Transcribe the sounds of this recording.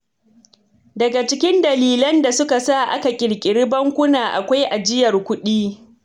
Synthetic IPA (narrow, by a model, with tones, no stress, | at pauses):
dɐ˨ɡa˨t͡ʃɪ˦kʲɪ˦ndɐ˨liː˦lɐ˦nda˨sʊ˦ka˨sa˦˨ʔa̰˦ka˨kʲʼɪ˨ɽkʲʼɪ˨ɽɪ˦bɐ˦ŋkʷʊ˦naː˨ʔa˨kʷa˦jʔa˨d͡ʒɪ˦jɐ˨rkʷʊ˦ɗiː˦